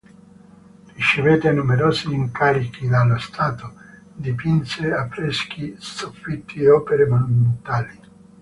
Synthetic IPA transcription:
rit͡ʃeveːt̪eanumeɾɔːsiːŋkaɾikid̪alːost̪ʰaːt̪o | d̪ipinseafːɾɛsk̟isofːit̪ʰːieɔːpeɾemonument̪aːli

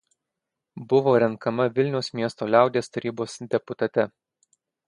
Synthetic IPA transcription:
bʊʋoːɾʲɛŋkɐmɐʋʲɪlʲnʲɛʊsmʲiɛst̪oːlʲæˑʊd̪ʲeːst̪ɐɾʲiːboːsd̪ʲɛpʊt̪ɐt̪ʲɛ

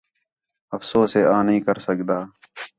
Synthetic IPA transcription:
əfsoːseːãːnəɦĩːkəɾsəkd̪aː

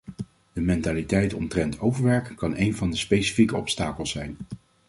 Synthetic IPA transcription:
d̥əmɛntaːlitɛjtɔ̰ntrɛntʰowvəɹʋɛɹkkɑnʔejnvɑndəspejsi̥fikəɔpstaːkəlˠsɛjn

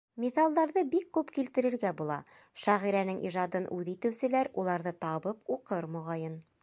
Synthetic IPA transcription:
mʲiθɑlˠd̪ɑɾðɤbikːʉpkilt̪ɘ̆ɾɘ̆ɾɡæbulˠɑ̰ | ʃæʁiɾænɘŋʔḭʒɑd̪ɤnʔʉðit̪ɘ̆wsɘ̆læɾulˠɑɾðɤt̪ɑbɤpuqɤɾmŏʁɑjɤn

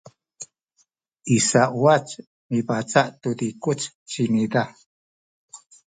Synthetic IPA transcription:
isaʔwat͡ʃ | mibat͡saʔt̪ud̪ikut͡ʃ | t͡ʃinida

